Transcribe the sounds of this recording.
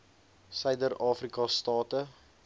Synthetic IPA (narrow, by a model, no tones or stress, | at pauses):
sœjdəɾɑːfrikɑstɑːtə